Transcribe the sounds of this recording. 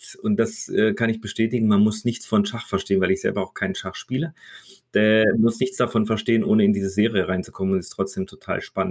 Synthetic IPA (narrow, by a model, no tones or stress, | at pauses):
ʊnt̚d̥asɛːkʰanɪçb̥əʃtɛːtɪɡŋ̩manmʊsnɪçt͡sfɔnʃaχfɛɐʃteːənvaɪlɪçz̥ɛ̰lbɐaʊxkʰaɪnnʃaχʃpiːləd̥ɛmʊsnɪçt͡sd̥afɔnfɛɐʃteːənʔoːnəɪndiːzəzeːʁijəʁaɪnt͡su̥kʰɔmənʊntɪ̥stʁ̥ɔt͡sd̥eːmtʰotʰa̰ːlʃpanən